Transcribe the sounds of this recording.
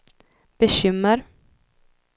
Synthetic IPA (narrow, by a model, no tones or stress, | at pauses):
b̥ɛɕʏmːəɾ